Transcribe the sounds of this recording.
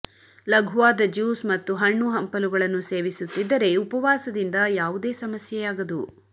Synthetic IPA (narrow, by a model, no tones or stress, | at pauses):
lɐɡʱuʋaːd̪ɐd͡ʒuːsmɐt̪ːuɦɐɳːuɦɐmpɐluɡɐɭɐnːuse̞ːʋisut̪ːid̪ːɐɾe̞upɐʋaːsɐd̪ind̪ɐjaːʋud̪e̞ːsɐmɐsjɛjaːɡɐd̪u